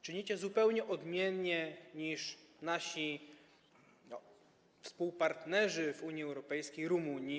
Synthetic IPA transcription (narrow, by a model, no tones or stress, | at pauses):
t͡ʂɘɲit͡ɕɛzupɛwɲɛʔɔd̪mʲjɛnɲɛɲiʂnaɕi | fspuwpaɾt̪nɛʐɘvuɲiɛwɾɔpɛjskʲejɾumuɲi